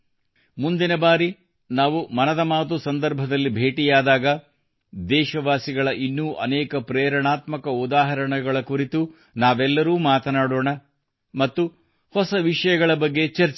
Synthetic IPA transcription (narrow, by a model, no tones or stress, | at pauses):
mund̪inɐbaːɾi | naːʋumɐnɐd̪ɐmaːt̪usɐnd̪ɐɾbʱɐd̪ɐlːibʱeːʈijaːd̪aːɡɐ | d̪ɛːʃɐʋaːsiɡɐɭɐʔinːuːʔɐ̰nɛːkɐpɾɛːɾɐɳaːt̪mɐkɐud̪aːɦɐɾɐɳɐɡɐɭɐkuɾit̪u | naːʋɛlːɐɾuːmaːt̪ɐnaːɽoːɳɐ | mɐt̪ːu | hɔsɐʋiʂɐjɐɡɐɭɐbɐɡːe̞t͡ʃɐɾt͡ʃ